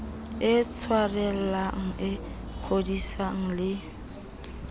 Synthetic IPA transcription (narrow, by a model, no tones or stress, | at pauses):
ɪt͡sʰwarɛllaŋ̩ɪ | k͡xʰodisaŋ̩lɪ